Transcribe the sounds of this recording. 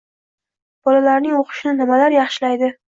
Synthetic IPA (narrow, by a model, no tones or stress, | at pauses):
b̥ɒlalaɾnɪŋoqʰɨ̥ʃɪnɪnɪmalaɾjɑχʃɪlajd̪ɪ